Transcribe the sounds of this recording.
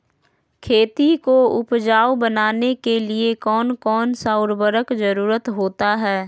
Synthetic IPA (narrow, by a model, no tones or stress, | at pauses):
kʰeːt̪ikoʊpd͡ʒaːwbɐnaːnekeliekɔːnkɔːnsaʊɾbəɾəkd͡ʒɐɾuːɾət̪ɦoːt̪aɦɛː